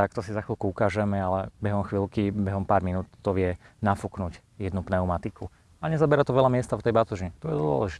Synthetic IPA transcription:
akt̪ɔsizaxʋilkuukaːʒɛmɛalɛbɛɦɔmxʋilkibɛɦɔmpaːɾminuːt̪t̪ɔʋɪɛnafuknuɟ | jɛd̪nupnɛʊmat̪iku | aɲɛzabɛɾat̪ɔʋɛʎamɪɛst̪afɔt̪ɛjbat̪uʒiɲɛt̪ɔjɛd̪ʊɔ̰lɛʒit̪ɛ

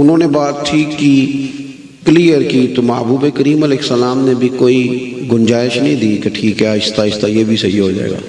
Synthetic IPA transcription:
ʊnɦõːnebaːt̪ʰːikːi | kliːjəɾkit̪omaːbuːbekəɾiːmɐleːsːɐlaːmnebʱikoːiɡʊnd͡ʒaːɪʃnɐɦĩd̪iːkeʈʰiːkɦɛaɪst̪aɪst̪ajebʱisɐɦiɦod͡ʒa̰ːḛːɡa̰ː

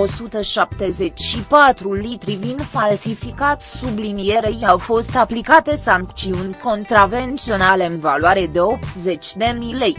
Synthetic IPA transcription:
o̞sut̪əʃap̚t̪e̞ze̞t͡ʃʲʃipat̪ɾulit̪ɾivind̪falsifikat̪sublinije̞ɾejawfo̞st̪aplikat̪e̞saŋk̪̚t͡ʃsiunʲko̞nt̪ɾave̞nt̪sio̞nale̞ɨnva̰luaɾe̞d̪e̞o̞pt̪ze̞t͡ʃʲd̪e̞mile̞j

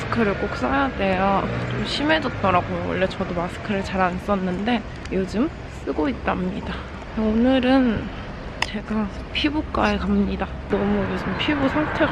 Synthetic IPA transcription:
sʰɯ̥kʰɯɾɯɭk͈ok̚s͈ajade̞jʌt͡ɕ͈omɕʰime̞d͡ʑʌt̚t͈ʌɾaɡowʌ̰ɭːe̞t͡ɕʌdomasʰɯ̥kʰɯɾɯɭt͡ɕaɾans͈ʌnːɯnde̞ | jod͡ʑɯm | s͈ɯɡoit̚t͈amɲida | onɯɾɯn | t͡ɕe̞ɡa | pʰibuk͈aekamɲida | nʌmujod͡ʑɯmpʰibusʰaŋtʰe̞

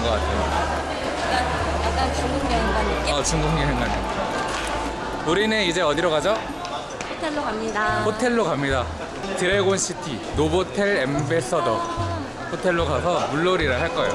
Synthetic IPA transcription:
ŋɡʌk͈atʰe | at͡ɕuŋuŋeɡaʌt͡ɕuŋɡuɲiseŋɡad͡ʑe | uɾinɯnid͡ʑe̞ʌdiɾʌɣad͡ʑʌ | hotʰeoaɲidahotʰe̞ɭːokamɲida | tɯɾeɡonɕʰitʰi | nobotʰeɭembe̞s͈ʰʌdʌ | ɸotʰe̞ɭːoɡasʰʌmuɭːoɾiɾaɦaɭk͈ʌjo̰

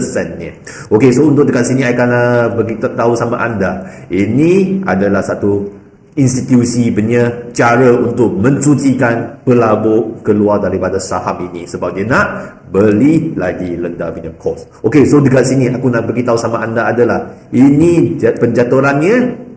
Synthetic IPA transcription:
əsɛnɲə | okesount̪̬ʊʔ̚dəkat̪̚siniakanabəɡit̪aɦusama̰ʔandainĩa̰dalahsat̪u | inst̪it̪jusibəɲət͡ʃaɾəunt̪ʊk̚mə̃ɲsut͡ʃikanpəlaboʔkəluardaɾipadasahaminisəbap̚diənaʔ | bəlilaɡiləndavinəmkʰɔs | okesodəkat̪̚siniakunaʔbəɡit̪aɦusamaʔandaːdalah | inipəɲd͡ʒat̪uɾanɲə

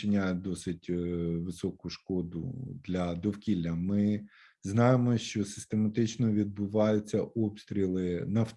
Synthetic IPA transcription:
ɪnʲajɛd̪ɔsɪtʲʋɪsɔkʊʃkɔd̪ʊ̰d̪lʲɐd̪ɔwkʲilʲːɐmɪ | znɑjemɔʃt͡ʃɔsɪ̥st̪emɐt̪ɪt͡ʃnɔʋʲid̪̚bʊʋɑjʊt͡sʲːɐʔɔpst̪ɾʲilˠɪnɐf

